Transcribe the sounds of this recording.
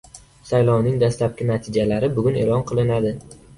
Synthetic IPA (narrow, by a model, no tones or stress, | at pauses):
sajlˠɒwnɪŋd̪aslap̚kʲɪnat̪ʰɪd͡ʒalaɾɪbʊɡʲʊne̞̰lɒnqʰɨlˠɪnad̪ɪ